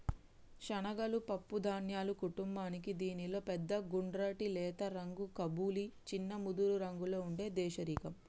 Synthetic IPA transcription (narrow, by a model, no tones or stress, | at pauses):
ʃɐnɐɡɐlupɐpːud̪ʱaːnjaːlukuʈumbaːnikid̪iːnilo̞ːpɛd̪ːɐɡuɳɖɾaːʈilɛːt̪ɐɾɐŋɡukɐbuːlit͡ʃinːɐmud̪uɾuɾɐŋɡulo̞ːuɳɖe̞ːd̪ɛːʃɐɾiːkɐm